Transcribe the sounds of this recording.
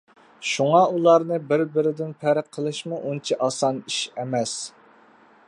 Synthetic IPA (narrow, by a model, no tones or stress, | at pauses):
ʃuŋɑulˠɑɾnɨbɪɾbɪɾɪd̪ɪnpʰæɾɪqʰːəlˠɨʃmuʔunt͡ʃʰiʔɑsɑniʃɛmɛs